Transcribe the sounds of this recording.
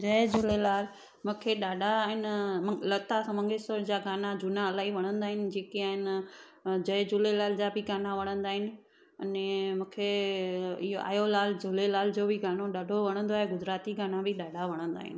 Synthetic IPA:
d͡ʑɐd͡ʑʊlelaːl | mũːkʰeɗaːɖʱaɦɪnɪmlɐt̪asɐmə̃ŋɡɪsəɾd͡ʑaːɡaːnad͡ʑʊnaəlaːɦiʋɐɽ̃ə̃nd̪aːɦɪnɪ̆d͡ʑeːkiaːɦɪn | d͡ʑɐd͡ʑʊlelaːld͡ʑaːbʱɪɡaːnaʋɐɽ̃ə̃nd̪aːɦɪnɪ̆ | ɐnemũːkʰe | ɪɦoʔa̰ːjolaːld͡ʑʊlelaːld͡ʑoːbʱɪɡaːnoɗaːɖʱoʋɐɽ̃ə̃nd̪oaːɦeɡʊd͡ʑɾaːt̪iɡaːnabʱɪɗaːɖʱaʋɐɽ̃ə̃nd̪a̰ːɦɪ̰nɪ̆

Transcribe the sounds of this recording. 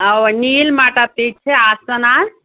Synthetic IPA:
əwnilmaʈəp̚t̪it͡ʃʰɛasənaɾ

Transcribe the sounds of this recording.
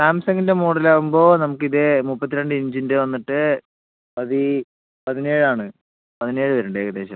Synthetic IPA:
saːmsɐŋɡinde̞muːɽɐlaːʋumbo̞ːnɐmukːiðemupːɐt̪ːiɾeɳɖɨiɲd͡ʑindɨʋɐnːiʈːɨ | ɐði | pɐðine̞ːɻɨaːɳɨ | pɐðine̞ːɻɨʋɐɾɐɳɖɨeːɣɐd̪e̞ːɕɐ̰m

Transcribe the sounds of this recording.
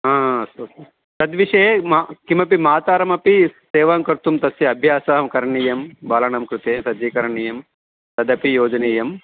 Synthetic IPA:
aːɐst̪oːt̪ | t̪ɐd̪ʋiʂeːmkimɐpimaːt̪aːɾɐmɐpiseːʋaːŋkɐɾt̪umt̪ɐsjɐɐbʱjaːsaːɦɐmkɐɾɐɳiːjɐmbaːlɐɳɐmkɾut̪eːsɐd̪iːkɐɾɐɳiːjɐm | t̪ɐd̪ɐpijoːd͡ʒɐneːjɐm

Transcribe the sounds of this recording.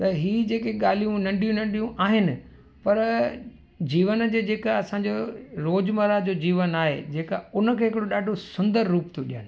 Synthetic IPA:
t̪ɐɦiːd͡ʑeːkeɠaːl̤ijũnɐ̃ɳɖʱijũnɐ̃ɳɖʱijũʔaːɦɪnɪ̆ | pɐɾ | d͡ʑiːʋənd͡ʑeːd͡ʑeːkaɐsãd͡ʑoɾoːd͡ʑmɐɾad͡ʑoːd͡ʑiːʋənaːɦḛd͡ʑeːkaʊnəkʰeːɦɪkɪɽoɗaːɖʱosʊ̃nd̪əɾːuːpt̪ʰoɗiɦənɪ

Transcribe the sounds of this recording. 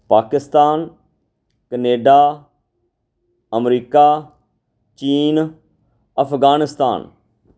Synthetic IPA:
paːkɪst̪aːn | kəneːɖaː | əmɾiːkaː | t͡ʃiːn | əpʰɡaːnɪst̪a̰ːn

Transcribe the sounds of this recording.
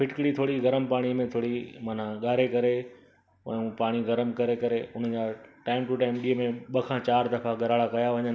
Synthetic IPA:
pʰɪʈkɽit̪ʰoːɽiɡɐɾəmpaːɽ̃imẽt̪ʰoːɽimaːn̤ãɠaːɾekɐɾẽ | ũːpaːɽ̃iɡɐɾəmkɐɾekɐɾeʊn̤əd͡ʑaːʈaːɪmʈuʈaːɪmɗiːəmẽɓɐkʰãːt͡ɕaːɾd̪ɐfaɡɐɾaːɽakɐjaʋɐɲən

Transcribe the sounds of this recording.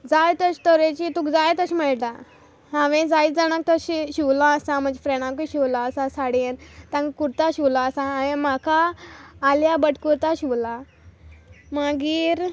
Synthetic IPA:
d͡zajt̪ət͡ɕt̪əɾet͡ɕit̪ũkd͡zajt̪əɕməɭʈa | hãʋẽd͡zaid͡zaɽ̃ak̚t̪əɕiɕiʋlɔ̃əsãm̤ə̃d͡ʑefɾeɽ̃ãk̬uɕiʋlɔəsasaɽent̪ãŋkkuɾt̪aɕiʋlɔəsãɦãʋẽmakʰaː | ljabəʈkuɾt̪aɕiʋla | maɡiːɾ

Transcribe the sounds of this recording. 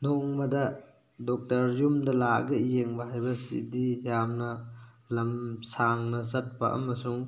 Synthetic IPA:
noŋmɐdɐ | dɔk̚tɐɾjumdɐlaɐ̰ɡɐijeŋbɐhajbɐsḭdijamnɐ | lɐmsaŋnɐsɐt̚pɐ̰ʔɐ̰mɐsuŋ

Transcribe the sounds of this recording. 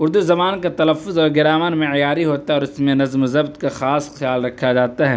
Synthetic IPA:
ʊɾd̪uzɐmaːnkat̪ɐlɐfːʊzɔːɾɡɪɾaːmanmẽɪjaːɾiɦoːt̪aɦɛɔːɾɪsmẽnɐzmzɐbt̪kaxaːsxɪjaːlɾɐkʰːad͡ʒaːt̪aɦɛː

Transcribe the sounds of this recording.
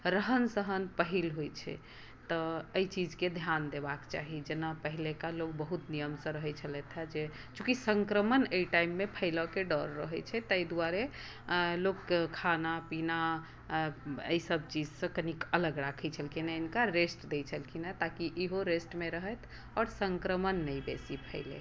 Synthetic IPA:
ɾəɦənsəɦənpəɦilɦojt͡ʃʰɛ̰ | t̪ɔəit͡ʃid͡ʒked̪ʱjand̪ebakt͡ʃa̰ɦid͡ʒenapəɦilekalok̚bəɦut̪nijəmsə̃ɾəɦɛt͡ʃʰəlɛt̪ʰɛd͡ʒe | t͡ʃũkisəŋkɾəmənəiʈaimːepʰəɪlɔkeɖɔɾːəɦɛt͡ʃʰɛt̪əjd̪uwaɾe | lokkʰːanapina | ə̰isəbt͡ʃid͡ʒsə̃kənikələɡɾakʰɛt͡ʃʰəlkʰinainkaɾesʈd̪et͡ʃʰəlkʰinat̪akiʔiɦoɾesʈmeɾəɦət̪ʰ | ɔːɾsəŋkɾəmənːəjbesipʰəɪlḛ

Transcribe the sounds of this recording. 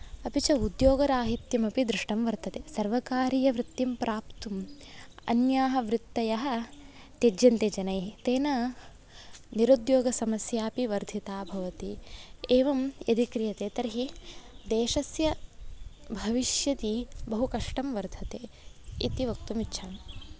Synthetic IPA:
ɐpit͡ʃɐud̪joːɡɐɾaːɦit̪jɐmɐpid̪ɾɪʂʈɐmʋɐɾd̪ʰʱɐt̪eːsɐɾʋɐkaːɾijɐʋɾɪt̪ːimpɾaːpt̪umɐ̰njaːɦɐ̆ʋɾɪt̪ːɐjɐɦɐ̆ | t̪ed͡ʒjɐnt̪ed͡ʒɐnɐjit̪eːnɐ | niɾud̪joːɡɐsɐmɐsjaːpiʋɐɾd̪ʱit̪aːbʱɐʋɐt̪ieːʋɐmed̪ikɾijɐt̪eːt̪ɐɾɦid̪eːʃɐsjɐ | bʱɐʋiʃjɐt̪ibɐɦukɐʂʈɐmʋɐɾd̪ʰʱɐt̪eː | it̪iʋɐk̚t̪umitːʃʰaːn

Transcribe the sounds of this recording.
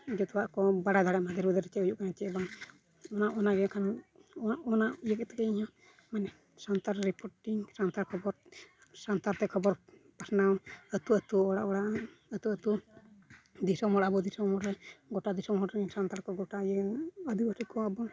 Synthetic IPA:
d͡ʒɔt̪ɔwaʔkɔbaɽad̪ʱaɽɛʔmad̪ɛɾbɛd̪ɛɾɛt͡ʃɛujuʔkaɲat͡ʃɛbaŋ | ɔnaʔɔnaɡɛkʰan | ɔnaʔjəkɛt̪ɛkɛiɲɔ | manɛ | sant̪aɾɾipɔɾʈiŋsant̪aɾkʰɔbɔɾ | sant̪aɾt̪ɛkʰɔbɔɾ | pasnaɔət̪uət̪uɔɽa̰ʔɔɽaʔ | ət̪uət̪u | d̪isɔmɔɽabɔd̪isɔmɔɾɾɛɡɔʈad̪isɔmɔɾɛɲsant̪aɾkɔɡɔʈajəəd̪ibaʈikɔabɔ

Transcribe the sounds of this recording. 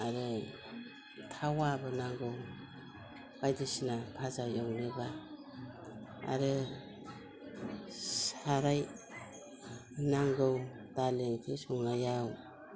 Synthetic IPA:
aɾɯ | tʰawabɯnaŋɡɯw | b̥ajdisinapʰazajɔwnɯba | a̰ɾɯ | saɾaj | naŋɡɯw | d̥aleŋkʰisuŋnajaw

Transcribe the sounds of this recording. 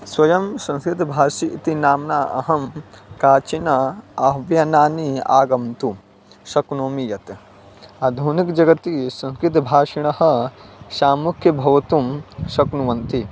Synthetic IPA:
swɐjɐmsɐ̃nskɾɪt̪ɐbʱaːʃiʔit̪inaːmnaːɐ̰ɦɐmkaːt͡ʃinɐɐɦʋjɐnaːniaːɡɐmt̪u | ʃɐknoːmijɐt̪ | ɐd̪ʱuːnikd͡ʒɐɡɐt̪isɐ̃nskɾɪt̪̬ɐbʱaːʂiɳɐhɐ̆ʃaːmukʰjɐbʱɐʋɐt̪umʃɐknuʋɐnt̪i

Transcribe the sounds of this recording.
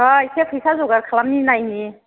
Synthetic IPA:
aisʰekʰɯjsʰazɔɡaɾkʰalamninajni

